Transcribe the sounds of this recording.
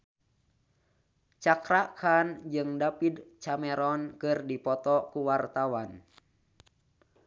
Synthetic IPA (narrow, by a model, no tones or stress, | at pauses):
t͡ʃakɾakʰand͡ʒɨŋdapid̪t͡ʃamɛɾɔnkɨrdipɔt̪ɔkuwart̪awan